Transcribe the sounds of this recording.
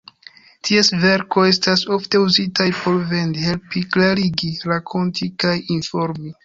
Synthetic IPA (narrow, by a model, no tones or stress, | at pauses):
tʰiesve̞ɾko̞e̞s̬taso̞fte̞uzitajpo̞ɾve̞ndhe̞lpiklaɾiɡiɾakʰo̞ntikajinfo̞ɾmi